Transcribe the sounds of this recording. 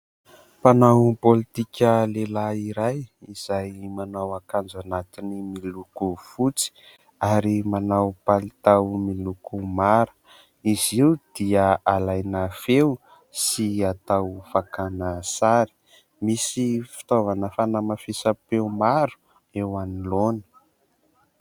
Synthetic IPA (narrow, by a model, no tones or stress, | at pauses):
panawpolit̪ikʲəlelaiɾajiz̥ajmanawakand͡zanat̪inimilukufut͡si̥ | aɾimanawpalit̪awmilukumaɾu̥ | iziwd̪̥iəalajnafew | siat̪awfakanəsaɾi̥ | misifi̥t̪ovanəfanamafisapewmaɾu̥ | ewanilonə̥